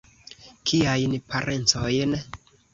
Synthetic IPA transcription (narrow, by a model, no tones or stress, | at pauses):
kʰiajnpʰaɾʔe̞nt͡sojn